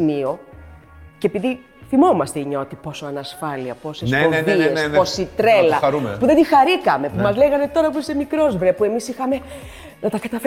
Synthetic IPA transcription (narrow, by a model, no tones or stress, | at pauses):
mio̞ | ceepiði | θimo̞mɐst̪eiɲɐot̪ipo̞so̞ɐnɐsfɐliɐpo̞sesoeðiesnposit̪ɾelɐɐɾumpuðed̪ixɐɾikɐme̞pumɐzleɣɐne̞t̪o̞ɾɐpuse̞mikɾo̞zvɾepue̞misixɐme̞ | nɐt̪ɐkɐt̪ɐfe